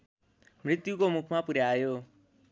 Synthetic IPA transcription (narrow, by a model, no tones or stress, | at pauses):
mɾɪt̪jukomʊkʰmãːpuɾjaːjoː